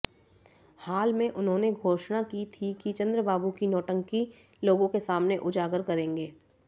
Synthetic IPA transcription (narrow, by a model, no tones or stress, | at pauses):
haːlmẽʔʊnɦõːneɡʱoːʃnakit̪ʰikit͡ʃɐ̃nd̪ɾəbaːbukinɔːʈə̃ŋki | loːɡõkesaːmneʔʊd͡ʒaːɡəɾkɐɾẽːŋɡeː